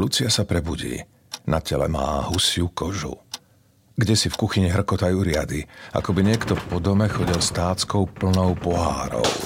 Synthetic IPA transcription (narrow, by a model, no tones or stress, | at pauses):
lut͡sɪasapɾɛbuɟḭː | nacɛlɛ̰ma̰ːɦusɪukɔʒṵ | ɡɟɛsifkuxiɲiɦr̩kɔt̪ajuɾɪad̪ia̰kɔbiɲɪɛkt̪ɔpɔd̪ɔmɛxɔɟilst̪aːt͡skɔʊpl̩nɔʊpɔɦa̰ːɾɔ̰ʊ